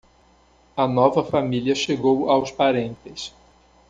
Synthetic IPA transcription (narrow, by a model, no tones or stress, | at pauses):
ɐnɔvɐfamiliɐʃeɡowawspaɾẽnt̪ɪs